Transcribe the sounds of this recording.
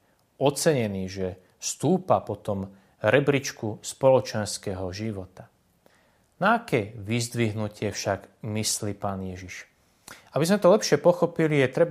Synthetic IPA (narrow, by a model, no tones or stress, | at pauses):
ɔt͡sɛɲɛniːʒɛ | st̪uːpapɔt̪ɔm | ɾɛbɾit͡ʃkuspɔlɔt͡ʃɛnskɛɦɔʒiʋɔt̪a | naːkɛːʋizd̪ʋiɦnucɪɛfʃaɡmisliːpaːnjɛʒiʃ | abizmɛt̪ɔlɛpʃɪɛpɔxɔpilijɛt̪ɾɛb